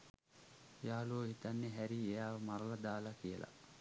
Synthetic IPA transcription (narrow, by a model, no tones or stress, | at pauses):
jaːluːɦit̪anːeɦæɾiejaːʋəmaɾəlad̪aːlakijəla̰